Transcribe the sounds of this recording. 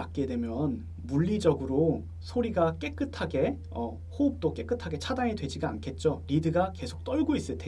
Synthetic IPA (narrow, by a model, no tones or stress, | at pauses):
ak̚k͈e̞dwemjʌn | muʎːid͡ʑʌɡɯɾo | sʰoɾiɡak͈e̞k͈ɯtʰaɡe̞ | ʌ̰ | hoɯp̚t͈ok͈e̞k͈ɯtʰaɡe̞t͡ɕʰadaŋedwe̞d͡ʑiɡaa̰nkʰe̞t̚t͡ɕ͈oɾidɯɡake̞sʰok̚t͈ʌɭɡois͈ɯɭtʰe